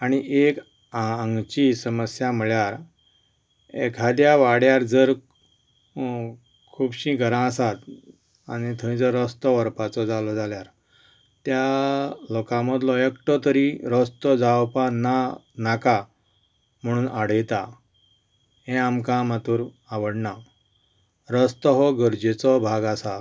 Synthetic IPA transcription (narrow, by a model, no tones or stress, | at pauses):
añiʔek | aaŋɡt͡ɕisəməsjam̤ɭjaɾ | ḛkʰad̪jaʋaɽjaɾd͡zəɾ | kʰubɕĩɡʱəɾãəsat̪ | a̰ñit̪ʰəĩd͡zəɾɔst̪ɔʋəɾpat͡sɔd͡zalɔd͡zaljaɾ | t̪jalɔkãməd̪lɔjəkʈɔt̪əɾiɾəst̪ɔd͡zawpananaka | m̤əɽ̃uːnʔaɽ̤əjt̪a | ɦẽamkãmat̪uːɾ | aʋəɽɳa | ɾəst̪ɔɦɔɡəɾd͡ʑet͡sɔbʱaɡasa